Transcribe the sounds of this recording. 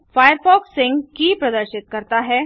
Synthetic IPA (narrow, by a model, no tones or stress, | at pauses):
faːjəɾfɔːksːɪ̃ŋɡkipɾɐd̪əɾʃɪt̪̚kɐɾt̪aɦɛː